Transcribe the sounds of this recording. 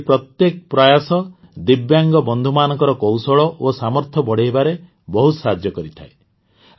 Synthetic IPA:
pɾɔt̪jekɔpɾajasɔ | d̪ibjaŋɡɔbɔnd̪ʱumanɔ̃ŋkɔɾɔkɔwsɔɭɔʔosamɔɾt̪ʰɔbɔɽ̤eɦebaɾe | bɔɦusad͡ʒjɔkɔɾit̪ʰae

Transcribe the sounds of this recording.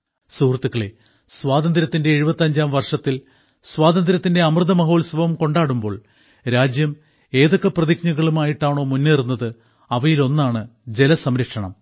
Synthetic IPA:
suːrt̪ːukːɐɭe | swaːd̪ɐnd̪ɾɐt̪ːinde̞ːɻubɐt̪ːɐɲd͡ʑaːmʋɐrʂɐt̪ːil | sʋaːd̪ɐnd̪ɾɐt̪ːinde̞ɐmrɨd̪ɐmɐɦo̞ːɭsʋɐʋɐmko̞ɳɖaːɽumbo̞ːɭ | ɾaːd͡ʑjɐm | e̞ːðo̞kːɐprɐðikɲuɣɐɭumaːjiʈːaːɳo̞ːmunːerunːɐðɨ | ɐʋɐjilo̞nːaːɳɨd͡ʑe̞lɐsɐmɾɐkʂɐɳɐ̰m

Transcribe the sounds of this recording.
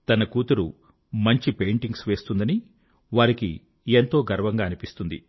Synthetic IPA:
t̪ɐnɐkuːt̪uɾu | mɐɲt͡ʃipe̞jɳʈiŋɡsʋe̞ːst̪und̪ɐni | ʋaːɾikḭ | ent̪o̞ːɡɐɾʋɐŋɡaːnipist̪und̪i

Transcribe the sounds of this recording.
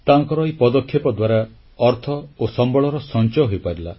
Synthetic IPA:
t̪aːŋkɔɾɔipɔd̪ɔkʰːjɔpɔd̪waɾa | ɔɾt̪ʰɔosɔmbɔɭɔɾɔsɔnt͡ʃɔjɦojpaɾila̰

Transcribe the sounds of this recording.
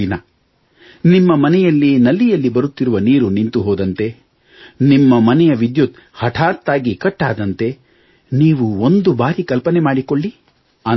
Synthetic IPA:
inɐ | nimːɐmɐnɛjɐlːinɐlːijɐlːibɐɾut̪ːiɾuʋɐniːɾunint̪uɦɔːd̪ɐnt̪e̞ | nimːɐmɐnɛjɐʋid̪jut̪ | hɐʈʰaːɾt̪aːɡikɐʈːa̰ːd̪ɐnt̪e̞ | niːʋuond̪ubaːɾikɐlpɐnɛmaːɽikoɭːi | a

